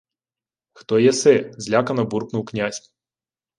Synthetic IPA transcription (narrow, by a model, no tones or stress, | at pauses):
xt̪ɔjɛsɪzʲlʲakɐnɔburknuwknʲasʲ